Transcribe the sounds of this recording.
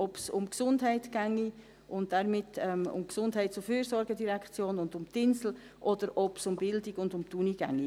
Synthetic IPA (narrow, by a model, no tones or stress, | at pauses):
ɔpsʊmksʊndɦɛɪtɡ̥æŋːi | ʊnt̚d̥ɛɾmɪtʰːɛmʊ̰mksʊndɦɛɪt̚t͡sʊfyːɾsɔɾɡədiɾɛkχt͡sjoːnʊndʊmtɪnsl̩ | ʔɔd̪əɾɔpsʊmbɪldɪɡʊndʊmtuniɡ̥æ̰ŋːi